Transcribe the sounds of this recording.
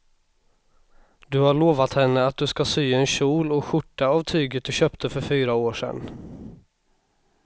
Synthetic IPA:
d̪ɵhaɭoːvat̪hɛnːəat̪̚d̪ɵskasyːɛnɕuːlɔkɧʊʈːaːvt̪ʰyːɡət̪̚d̪ɵɕøːpt̪ʰəfœɾfyːɾaoːʂɛ̰nː

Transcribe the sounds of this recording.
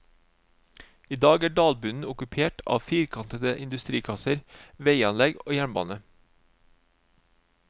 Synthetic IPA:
iːd̪ɑːɡæːɖɑːlbʉnn̩ʊkʉpʰeːʈʰɑ̰ːʋfiːɾkʰɑnt̪əd̪əʔɪnd̪ʉst̪ɾiːkʰɑsəɾʋeɪɑnlɛɡo̰ːjæɳbɑ̰ːnə

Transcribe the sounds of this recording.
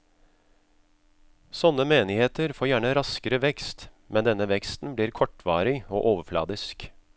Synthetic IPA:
sɔnːəmeːnɪheːt̪əɾfoːɾjæːɳəɾɑskəɾəʋɛkst̪ | mɛnd̪ɛnːəʋɛkst̪n̩bliːɾkʰɔʈʋɑːɾɪoːʔoːʋəflɑ̰ːd̪ɪsk

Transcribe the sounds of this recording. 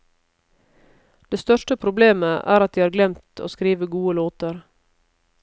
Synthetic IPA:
d̪̥eːst̪œʃʈəpʰɾʊbleːməʔæ̰ːɾɑt̪̚d̪iːɑːɾɡlɛmt̪ʰo̰ːskɾiːʋəɡuːəloːt̪əɾ

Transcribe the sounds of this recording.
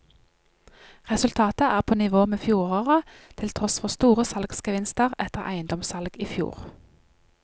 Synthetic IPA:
ʁɛsʉlt̪ʰɑːt̪əæːʁpʰoːnɪʋoːmeːfjuːʁoːʁət̪ʰɪlt̪ʰʁɔsfɔʁst̪uːʁəsɑlɡskəʋɪnst̪əʁɛt̪əʁʔæ̰ɪənd̪ɔmsɑlɡiːfjṵːʁ

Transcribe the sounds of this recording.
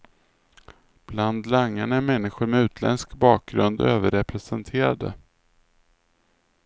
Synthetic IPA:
b̥land̪laŋːaɳaæɾmɛnːɪɧʊɾmɛʉ̟ːt̪ʰlɛ̰nskbɑːk̚ɡɾɵnd̪̰øːvəɾɛpɾɛsɛnt̪ʰeːɾa̰d̪ə̰

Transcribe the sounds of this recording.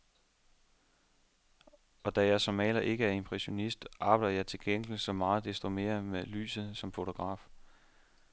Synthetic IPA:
ɒ̽d̥æjɑsɒ̽mɛ̰ːlɐʔe̝ɡ̥əæɐe̝mpʰʁɛɕo̝nisd̥ʔɑ̈b̥ɑ̈ɪdɐjɑ̈ɪt͡sʰe̝lɡ̥en̰ɡ̥l̩sɒ̽mɑ̈ːð̩ˠd̥esd̥ʁime̝̰ːɐðmely̰ːsð̩ˠsɒ̽mfo̝t͡sʰo̝ɡ̥ʁɑ̰̈ːf

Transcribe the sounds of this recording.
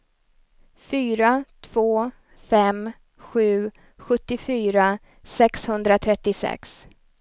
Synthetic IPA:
fyːɾat̪ʰv̥oː | fɛm | ɧʉ̟ː | ɧɵt̪ːɪfyːɾa | sɛkshɵnd̪ɾat̪ʰɾɛt̪ːɪsɛ̰ks

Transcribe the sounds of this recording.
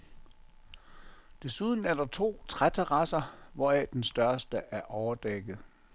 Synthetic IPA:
d̥e̝suð̞ˠn̩æɐɾ̥ɑ̈t͡sʰo̝̰ːt͡sʰʁat͡sʰeʁɑ̈sɐʋɒɛd̥ensd̥ɶɐsd̥əʔæɐʔɒʊɐd̥eɡ̥ð̩ˠ

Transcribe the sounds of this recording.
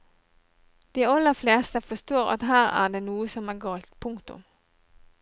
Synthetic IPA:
d̪̥iːɑlːəfleːst̪əfɔst̪oːʁɑ̰t̪ɦæːʁæ̰ːd̪eːnuːəsɔmæːɡɑːlt̪pʰʊŋkt̪ʊ̰m

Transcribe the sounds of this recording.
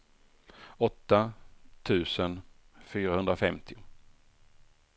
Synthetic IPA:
ɔt̪ːat̪ʰʉ̟ːsənfyːɾahɵnd̪ɾafɛmt̪ʰɪʊ

